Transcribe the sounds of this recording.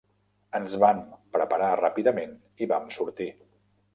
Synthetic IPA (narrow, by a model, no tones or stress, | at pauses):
ənzβampɾəpəɾarapiðəmen | iβamsuɾt̪i